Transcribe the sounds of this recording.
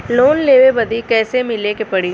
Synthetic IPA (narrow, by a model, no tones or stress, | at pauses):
loːnleːʋebɐd̪ikɛːsemɪlekepɐɽi